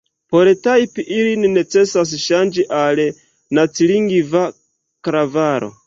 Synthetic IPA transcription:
poɾetajpiʔilininet͡se̞sas̬ʃand͡ʒiʔal | nat͡siliŋɡiva | kɾavaɾo̰

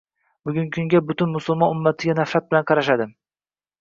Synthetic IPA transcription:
bʊɡʲʊŋkʲʰʊŋɡʲabʊt̪ʰʊnmʊsʊlˠmɒnʊmːat̪ʰɪɡʲanafɾat̪̚bɪlanqʰɑɾaʃad̪ɪm

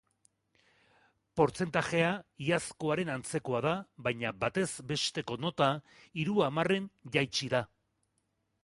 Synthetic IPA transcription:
po̞ɾt͡se̞nt̪aʝe̞aiasko̞aɾe̞nant͡se̞ko̞aðaβajɲaβat̪e̞zbe̞st̪e̞ko̞no̞t̪aiɾuamare̞nʝajt͡ʃiða

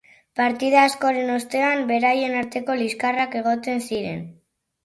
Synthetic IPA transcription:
paɾt̪ið̞aːsko̞ɾe̞no̞st̪e̞ambe̞ɾaje̞naɾt̪e̞ko̞liskarake̞ɣ̞o̞t̪e̞nsiɾe̞̰n

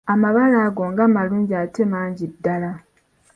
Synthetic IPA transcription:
amaβalaːɡoŋɡaːmaluːɲɟiate̞maːɲɟidːala

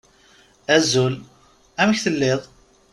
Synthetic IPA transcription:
æzul | æməçθəlːɪðˤ

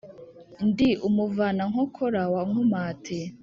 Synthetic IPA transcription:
ndiʔumuvanaŋhokʰoɾawaŋumaːtʰe

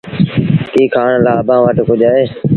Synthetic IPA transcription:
kiːkʰaːɳlaːbãːʋəʈkʊd͡ʒaːeː

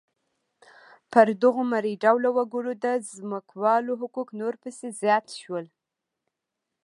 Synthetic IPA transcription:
pəɾd̪əɣomaɾiɖawlawaɡuɽod̪əzməkwɑloɦʊkuknoɾpəsezjɑt̪ʃwəl

